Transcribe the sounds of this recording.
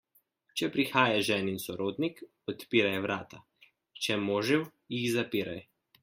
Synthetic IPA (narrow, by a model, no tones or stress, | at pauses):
t͡ʃɛpɾixaːjaʒɛːninsɔɾoːd̪nik | ɔt̪piːɾajʋɾaːt̪a | t͡ʃɛmoːʒɛw | jixzapiːɾaj